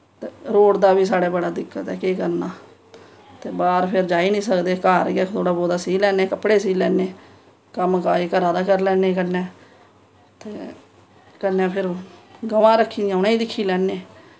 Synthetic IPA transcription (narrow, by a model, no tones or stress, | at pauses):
t̪eːɾoːɽd̪aːbiːs̬aːɽeːbəɽaːd̪ɪkːət̪ɛːkeːkəɾnaː | t̪eːbaːɾpʰɪɾd͡ʒaːiːnĩːsəkd̪eːkaːɾɡaːkt̪ʰoːɽaːboːd̪aːsiːlɛːneːkəpɽeːsiːlɛːneː | kəmkaːeːkəɾaːd̪aːkəɾlɛːnẽːkənːɛ̃ː | t̪eː | kənːɛ̃ːpʰɪɾɡəʋãːɾəkʰːĩːd̪ijãːʊnãːiːd̪ɪkʰːiːlɛːneː